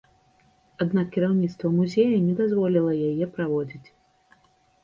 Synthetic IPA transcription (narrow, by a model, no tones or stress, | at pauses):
ad̪nakːʲiɾawnʲit̪st̪vɐmuzʲejɐnʲɛd̪azvɔlʲilˠɐjajɛpɾavɔd͡zʲit͡sʲ